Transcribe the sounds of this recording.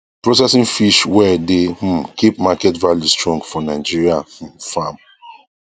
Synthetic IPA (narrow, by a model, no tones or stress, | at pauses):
pɹos̬ɛsĩnfiʃwɛdem̩kipmakɛtvaljustɹɔ̃ŋɡfɔnaɪd͡ʒiɹiafãm